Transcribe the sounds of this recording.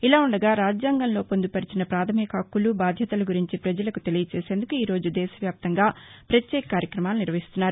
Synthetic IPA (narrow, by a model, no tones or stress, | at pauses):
ilaːuɳɖɐɡaːɾaːd͡ʒjaːŋɡɐnlo̞ːpo̞nd̪upɐɾit͡ʃinɐpɾaːt̪ʰɐmikɐɐkːulubaːd̪ʱjɐt̪ɐlɐɡuɾiɲt͡ʃipɾɐd͡ʒɐlɐkut̪e̞lijɐt͡ʃeːseːnd̪ukuiːɾo̞ːd͡ʒud̪ɛːʃɐʋjaːp̚t̪ɐŋɡaːpɾɐt̪jɛːkɐkaːɾjɐkɾɐmaːluniɾʋɐɦist̪unːaːɾu